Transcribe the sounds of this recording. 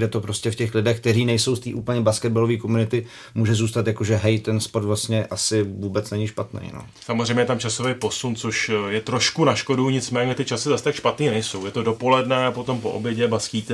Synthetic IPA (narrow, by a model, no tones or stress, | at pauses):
dɛt̪o̞pɾo̞scɛfcɛxlɪdɛxk̚t̪ɛɾiːnɛjso̞wst̪iːʔuːpl̩ɲɛbaskɛd̪̚balo̞viːko̞munɪt̪ɪ | muːʒɛzuːst̪at̪jako̞ʒɛɦɛjt̪ɛnspoɾt̪vlast̪ɲɛʔasɪvuːbɛt͡snɛɲɪʃpat̪nɛ̰jno̰ | samozr̝ejmɲɛjɛt̪amt͡ʃaso̞vejpo̞sunt͡soʃjɛt̪ɾo̞ʃkunaʃko̞duɲɪt͡smɛːɲɛt̪ɪt͡ʃasɪzast̪akʃpat̪niːnɛjso̞wjɛt̪o̞dopo̞lɛdnɛapo̞t̪o̞mpo̰ʔo̰bjɛɟɛbaskiːt̪ɛ